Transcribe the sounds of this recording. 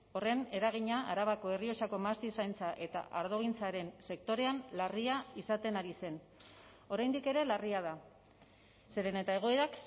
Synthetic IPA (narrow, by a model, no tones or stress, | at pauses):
o̞re̞ne̞ɾaɣiɲaʔaɾaβako̞e̞rio̞sako̞mast̪isajnt͡saʔe̞t̪a̰ʔaɾðo̞ɣ̞int͡saɾe̞nse̞kt̪o̞ɾe̞anlariaisat̪e̞naɾise̞n | o̞ɾajnd̪ike̞ɾe̞lariað̞a | se̞ɾe̞ne̞t̪ae̞ɣ̞o̞e̞ɾak